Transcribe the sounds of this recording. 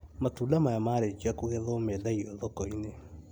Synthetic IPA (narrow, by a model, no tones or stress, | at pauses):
matuːlamajamaːɾed͡ʒiakuɣɛðɔmedaiɔðɔkɔine